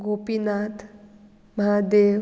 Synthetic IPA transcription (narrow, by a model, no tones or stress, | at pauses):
ɡoːpinaːt̪ʰ | məɦad̪e